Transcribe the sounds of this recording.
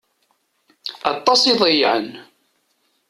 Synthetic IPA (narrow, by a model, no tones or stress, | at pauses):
ɑt̪ˤːɑsiðˤəjʕə̰n